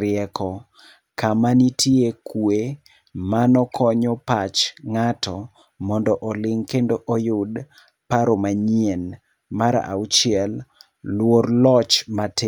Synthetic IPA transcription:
ɾɪɛkɔ | kamanitʰiekwe | manɔkʰɔɲɔpat͡ʃŋatɔ | mɔndɔʔɔlɪŋkendoʔojʊd | paɾomaɲien | maɾ̰ʔa̰ut͡ʃɪɛl | lworlɔt͡ʃmate

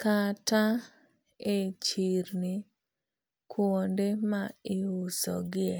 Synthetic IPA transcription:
kata | et͡ʃiɾnɪ | kʰwondemaɪʊsɔ̰ɡɪɛ

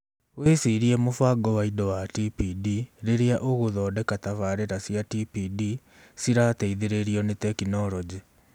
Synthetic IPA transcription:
wesiɾiɛmofaɡɔwaidɔwatipidiɾeɾeaʔoɣoðɔːdɛkatavaɾeɾasjatipidi | siɾatɛiðeɾeɾiɔnetɛkinɔɾɔd͡ʑi

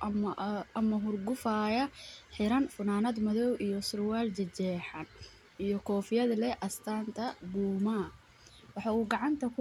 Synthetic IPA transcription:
ɐmɐɦʊrɡʊfaːjɐħɪɾɐnfʊnaːnɐd̪mɐðɔwʔijɔsʊrwaːlt͡ʃɐd͡ʒɛːħɑn | ijɔkʰɔːfɪjɐðlɛʔɐst̪ʰaːnt̪ʰɐbuːma | wɑħɑːuːɡɑʕɑnt̪ʰɐkʰʊ

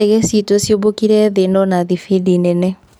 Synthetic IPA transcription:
ɛɣɛsitosjobokiɾɛðenɔnaðifidinɛnɛ

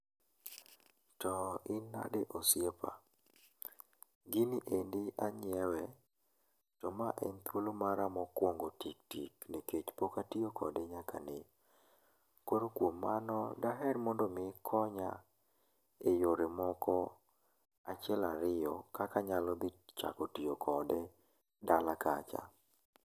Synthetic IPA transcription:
tɔɪnːa̰deʔosjepʰa̰ | ɡɪnɪʔendɪʔaɲɪɛwɛ | tɔmaʔɛnt̪wolomaɾamɔkwoŋɡotik̚tḭkneket͡ʃpokatiokʰɔ̰dɪɲakʰa̰ne | koɾokwomːanɔdaɦɛrmɔndɔmɪkʰɔɲa̰ | ejoɾemɔkɔ | at͡ʃɪɛlaɾɪjɔkakaɲalɔd̪ɪt͡ʃa̰kotijokʰɔdɛ | dalaka̰t͡ʃa̰

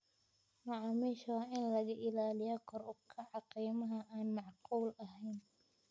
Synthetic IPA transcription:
mɑʕɑmiːʃɑːʔɪnlɐɣɐʔɪlaːlɪjɔkʰɔɾʊbkʰɐʕɑqiːmɐɦɐʔaːnmɑʕquːlɐɦɛjn

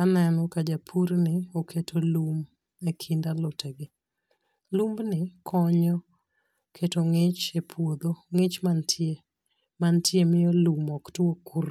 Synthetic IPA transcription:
anɛnɔkad͡ʒapʰuɾnɪokʰetʰolum | ekʰindalɔteɡɪ | lumbnɪkʰɔɲɔ | kʰetoŋɪt͡ʃepʰwod̪oŋɪt͡ʃmantʰe | mantjemɪjɔlumɔktwokuɾ

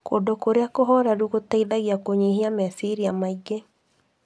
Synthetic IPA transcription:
kodokoɾeakoɦɔɾaɾuɣotaiðaɣiakoɲiɦiamɛsiɾiamaiɡe

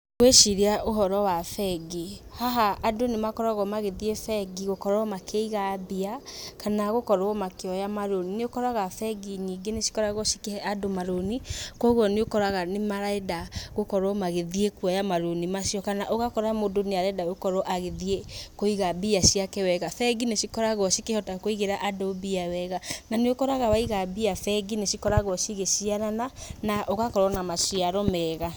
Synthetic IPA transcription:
kweʃiɾeaʔoɦɔɾɔwafɛɡihaɦaːdonemakɔɾaɣɔmaɣeðiefɛɡiɣokɔɾɔmakʰeiɣabiakanaɣokɔɾwɔmakeɔjamaɾonineokɔɾaɣafɛɡiɲiɡeneʃi̥kɔɾaɣoʃikehɛʔadomaɾonikwɔɣwɔneokɔɾaɣanemaɾaedaɣokɔɾɔmaɣeðiekuajamaɾonimaʃiɔkanaʔoɣakɔɾamodoneaɾɛdaokɔɾɔʔaɣeðiekoiɣabiasiakɛwɛɣafɛɡineʃikɔɾaɣɔʃikehɔtakoiɣeɾaʔadobiawɛɣananeokɔɾaɣawaiɣabiafɛɡineʃikɔɾaɣɔʃiɣeʃiaɾananaʔoɣakɔɾɔnamaʃiaɾɔmɛɣa

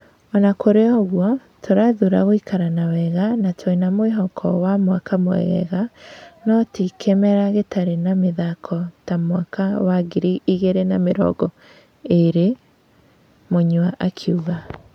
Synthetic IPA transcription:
ɔnakoɾeɔɣwɔ | tʰoɾaðuɾaɣoikʰaɾanawɛɣanatʰwoinamoeɦɔkʰɔwamwakamwɛ̰ɣɛ̰ɣanɔtikʰemɛɾaɣetaɾenameðakʰɔtamwakʰawaɡiɾiʔiɣeɾenameɾɔ̰ɡɔ | eɾe | moɲwaʔakʰuɣa

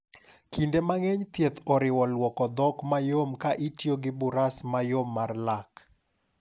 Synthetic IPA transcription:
kindemaŋeɲt̪jet̪ɔɾɪwɔlwɔkɔd̪ɔkmajomkaʔitjoɡɪbʊɾasmajomːarlak

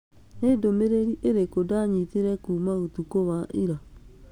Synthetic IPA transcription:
nedomeɾeɾiʔeɾekodaɲiteɾɛkuːmaotukowaʔiɾa

